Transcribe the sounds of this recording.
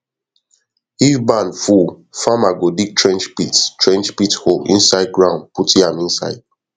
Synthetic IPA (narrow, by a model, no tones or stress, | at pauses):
hizbãnfufãmaɡodik̚tʰɹɛ̃nd͡ʒpittɹɛ̃nd͡ʒpitholḭ̃nsaɪd̚ɡɹãʊ̃nputiãmĩnsa̰ɪd̥̚